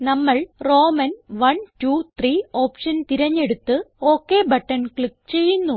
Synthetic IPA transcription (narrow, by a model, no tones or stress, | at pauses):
nɐmːɐɭro̞ːmɐnʋɐntut̪ʰriːo̞ːpʂɐnt̪iɾɐɲːe̞ɽut̪ːɨo̞ːkːe̞bʱɐʈːɐnkɭik̚t͡ɕe̞jːunːu